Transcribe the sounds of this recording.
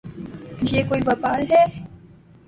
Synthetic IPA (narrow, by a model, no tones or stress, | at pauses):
jekoːiʋɐpaːlɦɛː